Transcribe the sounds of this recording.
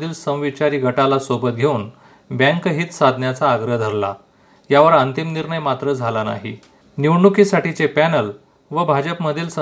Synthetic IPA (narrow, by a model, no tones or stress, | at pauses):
d̪ʱiːlsə̃w̃ʋit͡ɕaɾiːɡʱəʈalasobət̪̚ɡʱeuːn | bæ̃ŋkɦit̪sad̪ʱnjat͡saːɡɾəd̪ʱəɾla | jaʋəɾənt̪imniɾɳəjmat̪ɾəd͡zʱalana̰ɦi | niwɳukisaʈit͡sepænəl | ʋəbʱad͡ʑəpməd̪ʱiːlsə